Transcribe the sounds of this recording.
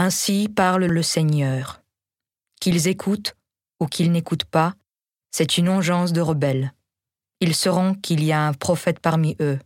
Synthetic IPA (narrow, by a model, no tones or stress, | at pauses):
ɛ̃sipaʁlləsɛɲœːʁ | kilzekʰut̪ | ukʰilnekut̪pa | sɛt̪ynɑ̃ʒɑ̃sd̪əʁəbɛl | ilsəʁɔ̃kʰiliaɛ̃pχɔfɛt̪paʁmiʔø